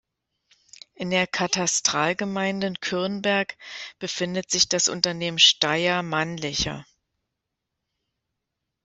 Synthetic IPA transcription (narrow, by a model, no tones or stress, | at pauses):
ʔɪndeːɐkʰatʰastʁ̥aːlɡəmaɪndəɪnkʰʏɐnbɛɐkb̥əfɪndətz̥ɪçd̥asʔʊ̰ntɐneːmənʃtaɪɐmanlɪçɐ̰